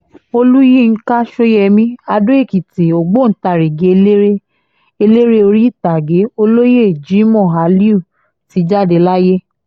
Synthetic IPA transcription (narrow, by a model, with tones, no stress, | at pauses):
o˧lu˦ji˦˨ŋ̩˦ka˦ʃo˦jɛ˧mĩ˦a˧do˦e˦˨ki˨te˨o˨ɡ͡bo˦˨n̩˦ta˧˨ɾe˨ɡe˨˧le˦ɾe˦ | e˧le˦ɾe˦o˧ɾi˦˨ta˨ɡe˨˦o˧lo˦je˦˨d͡ʒi˨˦mɔ̃˦˨ɦa˨˦li˦u˦˨ | ti˨˦d͡ʒa˦˨de˧la˦je˦